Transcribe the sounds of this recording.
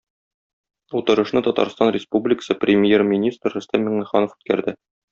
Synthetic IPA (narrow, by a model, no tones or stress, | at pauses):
ut̪ɤ̆ɾɤ̆ʃnɤt̪ɒt̪ɑ̰ɾst̪ɑnrʲɪspublʲɪkə̥sɤprʲɪmʲjermʲinʲist̪rɵ̆st̪ænmɘ̆ŋnɘ̆χɑnofʉ̥t̪̚kæɾd̪ɘ